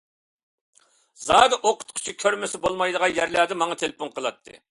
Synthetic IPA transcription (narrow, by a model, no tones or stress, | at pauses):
zɑːd̪ɨʔoqʰʊ̥t̪qʰʊ̥t͡ʃʰikʲʰøɾmɪsɪbolˠmɑjd̪əʁɑnjæɾlæd̪ɪmɑŋɑt̪ʰelpuŋqʰəlˠɑt̪ʰːɨ̰